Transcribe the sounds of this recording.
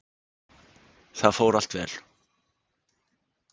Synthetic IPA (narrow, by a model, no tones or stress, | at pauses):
θaðfoːwɾal̥t̪vɛ̰ːl̥